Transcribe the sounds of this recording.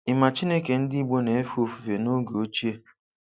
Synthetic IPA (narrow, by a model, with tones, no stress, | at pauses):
ɪ˨ma˨t͡ʃi˦ne˦ke˨n̩˦di˦ɡ͡bo˦ne˨e˦fu˦o˦˨fu˨ve˨no˦ɡo˦t͡ʃi˦e˦